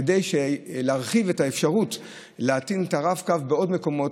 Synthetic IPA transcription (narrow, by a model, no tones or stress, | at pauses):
ede̞jʃeleaʁχive̞taefʃaʁut | leatinetaʁavkavbeo̞dme̞ko̞mo̞